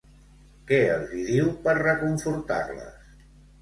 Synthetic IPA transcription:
kɛəlˠziðiwpəɾrəkuɱfuɾt̪a̰ɾlə̰s

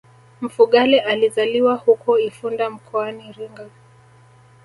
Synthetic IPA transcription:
m̩fuɠalɛʔalizaliwahukɔifundam̩kʰɔaniɾiŋɡa

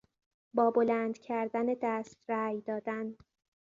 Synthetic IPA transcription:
bɒːbo̞læːnd̪cʰæɾd̪æned̪æːst̪ɾæːjd̪ɒːd̪æn

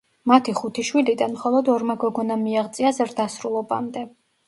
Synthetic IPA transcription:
mat̪ʰiχut̪ʰiʃwilid̪anmχɔlˠɔd̪ɔɾmaɡɔɡɔnamiaʁt̪sʼiazɾd̪asɾulˠɔba̰md̪ɛ

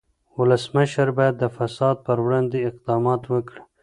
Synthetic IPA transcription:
wʊləsməʃəɾbɑjad̪ːəfasɑd̪̚pəɾwɽɑnd̪eɪq̚d̪ɑmɑt̪wəkɽ

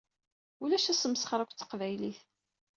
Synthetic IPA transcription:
ulæʃæsəmsə̥χɾˤəkʷt͡sːə̥qvæjliθ

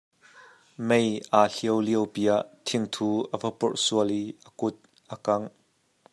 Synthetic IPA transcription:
mejʔaːɬiəwliəwpiːaʔt̪ʰɪŋt̪ʰuːʔəvəpʊrʔsuəliʔəkʊt̪̚ | ʔəkɐŋ

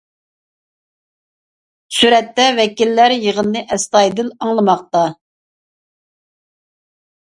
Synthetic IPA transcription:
syɾɛt̪ːɛvɛkʲilːæɾjəʁənːɨʔɛst̪ɑjd̪ɪlɑŋlˠɨmɑq̚t̪ɑ

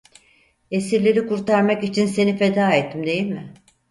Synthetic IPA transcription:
e̞siɾlʲe̞ɾikuɾt̪ʰaɾmakit͡ʃʰinse̞nife̞d̪aːet̪ʰːimd̪e̞jilʲmɪ

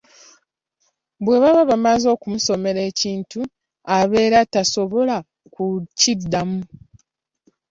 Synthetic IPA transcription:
bwe̞βaβaβamazo̞ːkumuso̞me̞ɾe̞ːciːntu | aβe̞ːɾataso̞βo̞la | kucidːamu

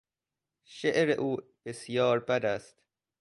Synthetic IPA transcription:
ʃeʔɾeʔuːb̥esjɒːɾbæd̪æst̪

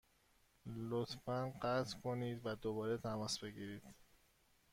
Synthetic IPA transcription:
lot̪ʰfænɢæt̪ʰkʰo̞niːd̪væd̪o̞βɒːɾet̪ʰæmɒːsbe̞ɡiɾiːd̪̥

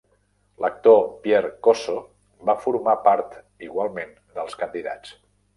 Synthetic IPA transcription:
lʔək̚t̪opjɛɾkoso | bafuɾmapaɾt̪ | iɣwalˠmen | d̪əlˠskənd̪iða̰t͡s

